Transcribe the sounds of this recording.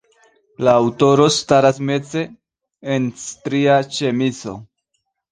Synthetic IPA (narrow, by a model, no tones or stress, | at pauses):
laːwto̞ɾo̞staɾasme̞t͡se̞ː | nstɾiat͡ʃe̞mit͡so̞̰